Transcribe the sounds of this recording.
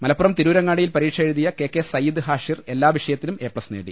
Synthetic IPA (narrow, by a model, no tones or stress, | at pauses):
mɐlɐpːuɾɐmt̪iɾuːɾɐŋːaːɽijilpɐɾiːʈʂɐɻuðijɐke̞ːkːe̞sɐjːid̪ɨɦaːʂire̞lːaːʋiʂɐjɐt̪ːilume̞ːpɽɐsnḛːɽḭ